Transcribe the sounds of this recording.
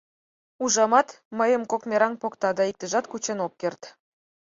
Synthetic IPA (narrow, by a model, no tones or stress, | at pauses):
uʒɑmɑt̪ | məjəmkokmʲeɾɑŋpokt̪ɑd̪ɑik̚t̪ə̆ʒɑt̪kut͡ɕenop̚kʲert̪